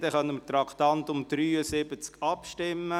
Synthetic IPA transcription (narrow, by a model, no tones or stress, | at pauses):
d̪ɛχœnːəmət̪ɾɑkt̪ɑnt̪ʊmd̪̥ɾyːəsɪbət͡skɑpʃtɪmːə